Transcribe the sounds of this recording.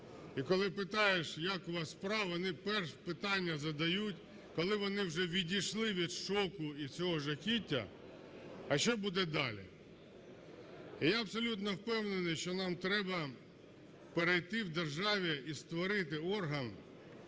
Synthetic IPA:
ikɔlˠɪpɪt̪ɑjeʃjɑkɔʋɐspɾɑɔnɪpɛrʃpɪt̪ɑnʲːɐzɐd̪ɐjutʲ | kɔlˠɪʋɔnɪwʒɛʋʲidʲijʃlˠɪʋʲid̪ʃɔkʊit͡sʲɔɦɔʒɐkʲitʲːɐ̰ | ɐʃt͡ʃɔbud̪ɛd̪ɑlʲḭ | ijaɐbsɔlʲut̪nɔwpɛwnenɪjʃt͡ʃɔnɑmt̪ɾɛbɐ | peɾejt̪ɪwd̪erʒɑʋʲiist̪ʋɔɾɪt̪ɪɔrɦɐn

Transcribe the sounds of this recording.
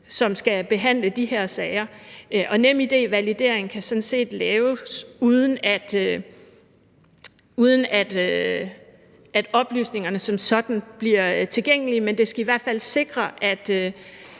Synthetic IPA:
sɒ̽msɡ̥æb̥e̝ɦæn̰ləd̥ihæɐ̰sɛɪɐʔʔɒ̽nem̰id̥e̝̰ːʋælid̥e̝ɐ̰eŋn̩kʰæsɒ̽n̩se̝̰ːd̥lɛːʊsuð̞ˠən̩æd̥ | uð̞ˠən̩æd̥ø | ʔæd̥ɒ̽b̥ly̰ːsne̝ŋɐnəsɒ̽msɒ̽d̥n̩b̥liɐt͡sʰe̝lɡeŋ̰əlimend̥e̝sɡ̥æiʋæɐ̰d̥fæl̰se̝ɡ̥ʁɐʔæd̥ø

